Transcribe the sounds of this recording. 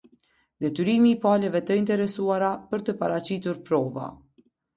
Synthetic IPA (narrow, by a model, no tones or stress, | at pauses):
d̪ɛt̪yɾimiːpalɛvɛt̪əint̪ɛɾɛsuaɾapəɾt̪əpaɾat͡ɕit̪uɾpɾɔva̰